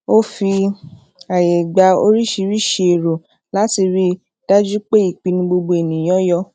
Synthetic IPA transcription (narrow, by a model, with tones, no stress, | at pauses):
o˦fi˧ | a˨je˨ɡ͡ba˨˧o̰˧ɾi˦ʃi˧ɾi˦˨ʃe˧e˨ɾo˨ | la˨˦ti˧ɾi˦ | d̥a˦d͡ʒu˦k͡pe˦i˨k͡pi˧nĩ˧ɡ͡bo˧ɡ͡bo˧e˨nĩ˨j̃ɔ̃˦jɔ˧